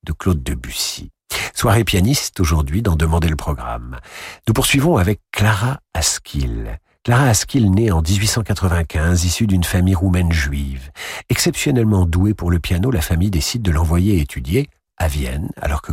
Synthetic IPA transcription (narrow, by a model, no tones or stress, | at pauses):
d̪̥əklod̪̚ːəbysi̥ | swaʁepjanist̪oʒuʁd̪ɥid̪ɑ̃d̪əmɑ̃d̪eləpχɔɡʁa̰mnupuʁsɥivɔ̃avɛkːlaʁaaskʲʰil | klaʁaːskʲilneɑ̃d̪izɥisɑ̃kat̪χəvɛ̃kʲʰɛ̃zisyd̪ynfamijʁumɛnʒɥivɛksɛpsjɔnɛlmɑ̃d̪uepuʁləpjanolafamijd̪esid̪̚ːəlɑ̃vwajeet̪ʰyd̪je | avjɛ̰na̰lɔʁkə